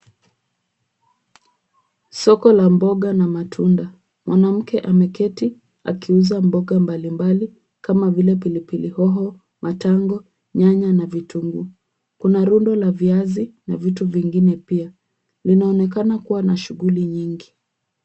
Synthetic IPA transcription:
sɔkɔlambɔɠanamatʰunda | mwʔanam̩kɛʔamɛkɛti | a̰kiuzambɔɠambalimbali | kamavilɛp̬ilipilihɔɦɔ | mataŋɡɔ | ɲaɲanavitʰuŋɡu | kunaɾundɔlaviazina̰vituviŋɡinɛpia | linaɔnɛk̬anakuwanaʃuɣuliɲiŋɡi

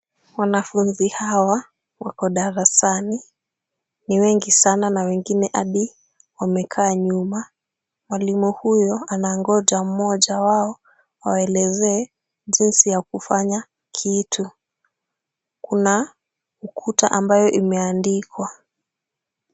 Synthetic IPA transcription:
wanafunzihawa | wakɔɗaɾasani | niwɛŋɡisananawɛŋɡinɛʔaɗi | wamɛkʰaːɲuma | mwalimuhujɔanaŋɡɔʄam̩mɔʄawaɔ | wa̰waɛlɛzɛː | ʄinsijakufaɲa | kʰitʰu | kuna | ukʰutaʔambajɔʔimɛandikwa

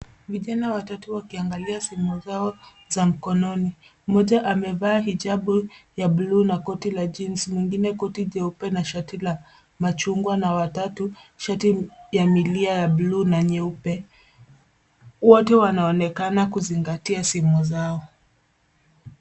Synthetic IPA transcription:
viʄanawatatuwakiaŋɡaliasimuzaɔ | zam̩kɔnɔni | mɔʄaʔamɛvaːɦiʄaɓujabluːnakɔtilad͡ʒinsmwiŋɡinɛkɔtiʄɛupɛnaʃatila | mat͡ʃuŋɡwanawatatuʃatijamiliajablunaɲɛupɛ | wɔtɛwanaɔnɛkanakuziŋɡatiasimuzaɔ

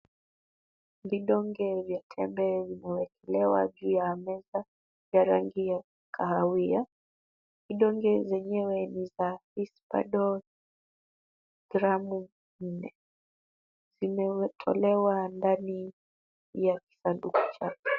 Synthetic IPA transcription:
viɗɔŋɡɛvjatʰɛmbɛvimɛwɛkɛlɛwa̰ʄuːjaamɛza | vjaɾaŋɡija | kʰaawia | viɗɔŋɡɛzɛɲɛwɛnizaispa̰ɗɔ | ɡ̥ɾamu | n̩nɛ | z̥imɛɛtʰɔ̰lɛwandani | jaki̥sandukḁt͡ʃakɛ̥

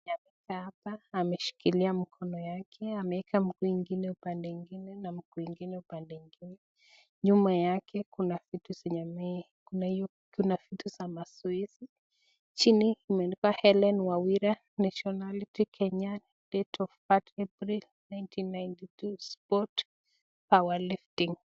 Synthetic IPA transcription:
ɲam | kahapaːmɛʃi̥kiliamikʰɔnɔjakʰɛamɛɛkʰam̩kuiŋɡinɛupandɛŋɡinɛnam̩kuwiŋɡinɛupandɛŋɡinɛ | ɲumajakʰɛkunafitusɛɲamɛ | kunahijɔ | kunafitusamasuisi | t͡ʃiniimɛnipahɛlɛnwawiɾa | naʃiɔnalitikʰɛɲa | d̥ɛtʰɔfpatɛpɾil | najntʰinːajntitʰuspɔt | pawaliftiŋ

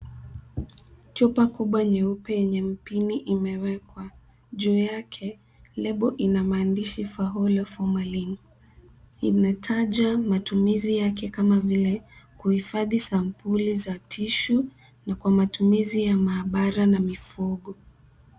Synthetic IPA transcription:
t͡ʃupakuɓwaɲɛupɛjɛɲɛm̩piniʔimɛwɛkwa | ʄuːjakʰɛ | lɛɓɔʔinamaːndiʃifaɦɔlɔfɔmalini | inatʰaʄamatumizijakɛkamavilɛkuhifaðisampulizatʰiʃu | nakwamatumizijamaːɓaɾanamifuɠɔ

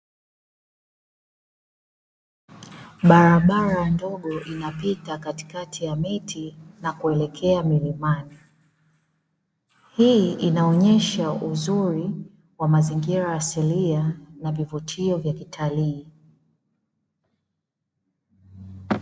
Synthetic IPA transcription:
ɓaɾaɓaɾandɔɠɔʔinapitakati̥katʰijamitʰinakuɛlɛkʰɛamilimani | hiːinaɔɲɛʃaʔuzuɾi | wamaziŋɡiɾajasilianavivutʰiɔvjakitʰaliː

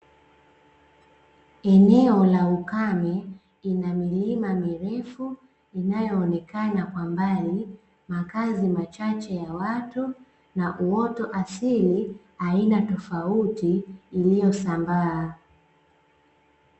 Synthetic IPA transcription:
ɛnɛɔlaukamɛ | inamilimamiɾɛfu | inajɔːnɛkanakwambali | makazimat͡ʃat͡ʃɛjawatu | naʔuɔtɔʔasilihainatɔfautiːlijɔsambaː

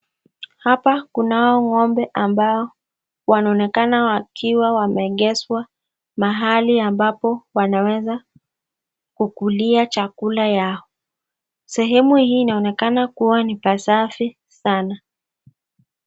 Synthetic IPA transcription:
hapakunaɔŋɔmbɛʔambaɔ | wanaɔnɛkanawakʰiwawamɛɠɛswa | maɦaliambapɔwanawɛza | kukuliat͡ʃakulajaɔ | sɛɦɛmuhiːnaɔnɛkanakuwanipasafi | sana

